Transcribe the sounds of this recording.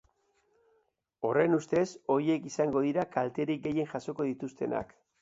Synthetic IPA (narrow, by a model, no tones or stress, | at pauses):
o̞re̞nust̪e̞so̞ɾie̞kisaŋɡo̞ð̞iɾakalt̪e̞ɾik̚ɡe̞je̞nʝaso̞ko̞ðit̪ust̪e̞na̰k